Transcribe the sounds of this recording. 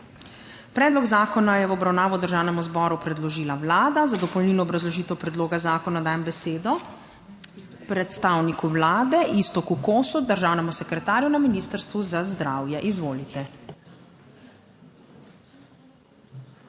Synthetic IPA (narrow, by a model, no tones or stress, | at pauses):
pɾɛːd̪lɔɡzaːkɔnajɛwɔbɾawnaːʋɔd̪əɾʒaːwnɛmuzbɔːɾupɾɛd̪lɔʒiːlawlaːd̪azad̪ɔpɔwniːlnɔːbɾazlɔʒiːt̪ɛwpɾɛd̪loːɡazaːkɔnad̪aːjɛmbɛseːd̪ɔ | pɾɛt̪st̪awnikuwlaːd̪ɛʔist̪ɔkukoːsud̪əɾʒawnɛmusɛkɾɛt̪aːɾjunaminiːst̪əɾst̪ʋuzazd̪ɾaːwjɛʔizʋoːlit̪ɛ